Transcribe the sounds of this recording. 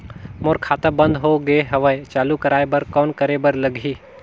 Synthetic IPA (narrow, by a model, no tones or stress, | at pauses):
moɾkʰaːt̪abə̃nd̪ʱɦoɡeɦɐʋəet͡ʃaːlukɐɾaːebəɾkɔːnkəɾebəɾləɡʱiː